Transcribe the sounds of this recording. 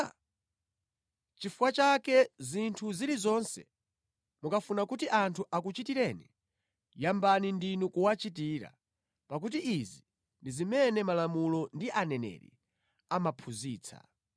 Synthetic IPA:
t͡ʃifuwat͡ʃakɛzintʰuzilizɔnsɛ̰ | mukafunakutiʔantʰuʔakut͡ʃitiɾɛnḭ | jambanindinukuwat͡ʃitiːɾa̰ | pak̬ut̬iʔizi | ndizimɛnɛmalamulɔndiʔanɛnɛ̰ɾḭ | amapʰuziːt͡sʰa̰

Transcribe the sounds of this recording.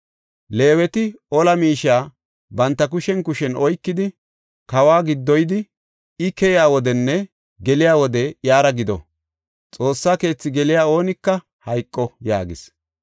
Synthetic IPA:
le̞ːwɛt̪ɪɔlɐmiːʃaː | bɐnt̪ːɐkʊʃɛnkʊʃɛnɔjkːɪd̪ɪ | kɐwaːɡɪd̪ːɔjd̪ɪ | ɪkɛjɪaːwɔd̪ɛnːɛ | ɡɛlɪjaːwɔd̪ɛjaːɾɐɡɪd̪ɔ̰ | t͡sʼo̞ːsːaːke̞ːt͡sːɪɡɛlɪjaːo̞ːnɪkːɐ | hɐjkʼːɔja̰ːɡɪs

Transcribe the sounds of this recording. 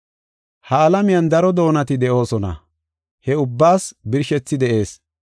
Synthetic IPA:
hɐːlɐmɪjɐnd̪ɐɾɔd̪o̞ːnɐt̪ɪd̪ɛʔo̞ːsɔnɐ̰ | hɛʊbːaːsbɪɾʃɛt͡sːɪd̪ɛʔe̞ːs

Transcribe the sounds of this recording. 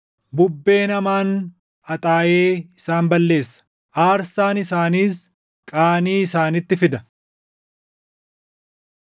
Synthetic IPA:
bʊbːe̞ːnɐmaːn | ɐt̪ʼaːʔeːɪsaːmbɐlːe̞ːsːɐ̥ | ʔaːɾsaːnɪsaːniːs | kʼaːniːɪsaːnɪt̪ːɪfɪd̪ɐ

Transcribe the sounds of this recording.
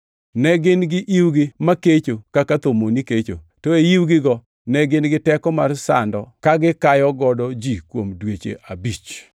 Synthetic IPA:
nɛɡɪnɡɪʔiwɡɪmaket͡ʃokakat̪omoniket͡ʃo̰ | toejiwɡɪɡɔ | nɛɡɪnɡɪtɛkɔmarsa̰ndɔkaɡɪkajɔɡɔdɔd͡ʒikwomdwet͡ʃḛʔabit͡ʃ

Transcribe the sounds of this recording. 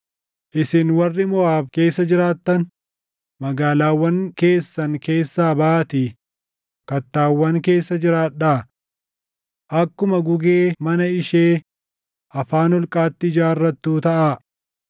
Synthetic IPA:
ʔɪsɪnwɐrːɪmɔaːfke̞ːsːɐd͡ʒɪɾaːt̪ːɐn | mɐɡaːlaːwːɐŋke̞ːsːɐŋke̞ːsːaːbaːt̪i | kɐt̪ːaːwːɐŋke̞ːsːɐd͡ʒɪɾaːᶑa | ʔɐkːʊmɐɡʊɡeːmɐnɐɪʃeː | ʔɐfaːnɔlkʼaːt̪ːɪd͡ʒaːrːɐt̪ːuːt̪ɐʔa

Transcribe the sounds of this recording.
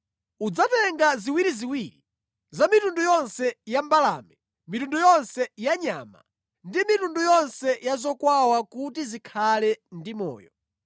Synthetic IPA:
ud͡zatɛŋɡaziwiɾiziwiːɾi | zamitundujɔnsɛjambala̰ːmɛ | mitundujɔnsɛjaɲa̰ma̰ | ndimitundujɔnsɛjazɔkwawakutizikʰalɛndimɔ̰ːjɔ

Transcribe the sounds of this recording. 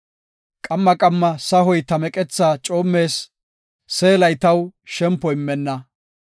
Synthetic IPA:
kʼɐmːɐkʼɐmːɐsɐɦɔjt̪ɐmɛkʼɛt͡sːaːt͡ʃʼo̞ːmːe̞ːsː | eːlɐjt̪ɐwʃɛmpːɔjɪmːɛnːɐ

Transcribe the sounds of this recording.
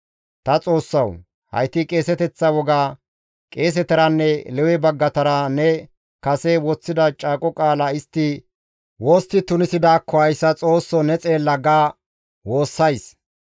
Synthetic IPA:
t̪ɐt͡sʼo̞ːsːɐw | hɐ̰jt̪ːɪkʼe̞ːsɛt̪ɛt͡sːɐwɔɡaː | kʼe̞ːs̬ɛt̪ɛɾɐnːɛlɛwɛbɐɡːɐt̪ɐɾɐnɛ | kɐsɛwɔt͡sːɪd̪ɐt͡ʃʼaːkʼɔkʼaːlɐɪst̪ːɪ | woːst̪ːɪt̪ʊnɪsɪd̪aːkʰːɔhɐjsːɐt͡sʼo̞ːsːɔnɛt͡sʼeːlːɐɡaː | wo̞ːsːɐjs

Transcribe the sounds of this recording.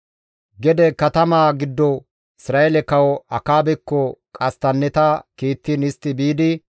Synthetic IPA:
ɡɛd̪ɛkɐt̪ɐmaːɡɪd̪ːɔ | ɪsɾaːʔɛlɛkɐwɔɐkaːbɛkːɔkʼɐst̪ɐnːɛt̪akiːt̪ːiːnɪst̪ːɪbiːd̪ɪ

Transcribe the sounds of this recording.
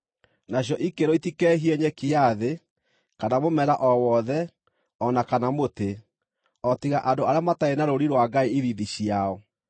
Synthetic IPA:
naɕ̬jɔʔikeɾoitikɛɦiɛɲɛkeaðe | kanamomɛɾaʔɔwɔðɛ | ɔnakanamote | ɔtiɣaʔadoaɾeamataenaɾoɾiɾwaɡaeiðiðiɕjaɔ

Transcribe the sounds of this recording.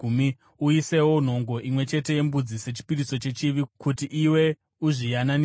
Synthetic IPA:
m | uise̞wo̞n̤o̞ŋɡo̞ʔimwe̞t͡ʃe̞te̞je̞mbud͡zise̞t͡ʃi̥piriso̞t͡ʃe̞t͡ʃiʋikutiʔiwe̞ | uʐijanan

